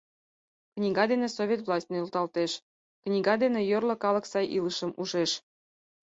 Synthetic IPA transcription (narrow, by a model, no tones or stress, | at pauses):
knʲiɡɑd̪enesovʲet̪vlˠɑsʲtʲnĕulˠt̪ɑlt̪eʃ | knʲiɡɑd̪enĕjørlŏkɑlˠɤ̆ksɑjʔilˠəʃɤ̆mʔuʒeʃ